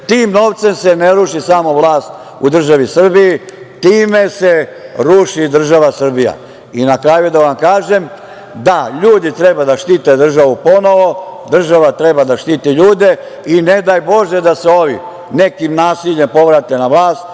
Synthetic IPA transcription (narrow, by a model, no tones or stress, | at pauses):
t̪iːmno̞ʋt̪se̞mseneɾuʃisamo̞ʋlaːst̪ | ud̪r̩ʒaʋisr̩biji | t̪iːme̞seɾuʃid̪r̩ʒaʋasr̩bija̰ | inakɾaːjud̪aʋamkaːʒem | d̪aʎuːd̪it̪ɾe̞bad̪aʃt̪iːt̪ed̪r̩ʒaʋupo̞no̞ʋod̪r̩ʒaʋat̪ɾe̞bad̪aʃt̪iːt̪iʎuːd̪e̞ | ined̪aːjbo̞ʒed̪aseoʋi | ne̞kimnaːsiʎe̞mpo̞ʋɾat̪enaʋlˠaːst̪̚